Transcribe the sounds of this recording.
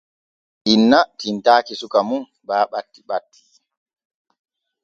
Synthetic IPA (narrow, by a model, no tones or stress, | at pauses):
ʔinːatintaːkisukamun | baːɓatːiɓatːi̥